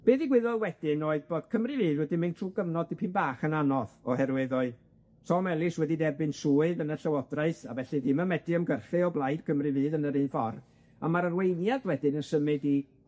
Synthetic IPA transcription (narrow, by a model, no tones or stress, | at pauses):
b̥eːðiɡwɪðɔlˠwɛdɪnoːɨðboːd̥kʰəmrɨvɨːðwɛdɪmɪntʰruːɡəvnɔdipʰɪnbaːχənanɔðɔɦɛrwɪðɔɨ | sɔmɛlˠɪswɛdidɛrbɨnsuːɨðənəɬawɔdraɨθavɛɬɨðɪməmɛdɪəmɡərɬɨɔblˠajd̥kʰəmrɨvɨːðənəɾɨnfɔr | amaɾərwejnjaðwɛdɪnənsəmɨdi